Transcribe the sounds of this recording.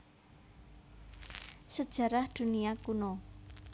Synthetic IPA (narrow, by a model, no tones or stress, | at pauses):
səd̥ʒ̥ä̤ɾahd̪̥ṳniakuno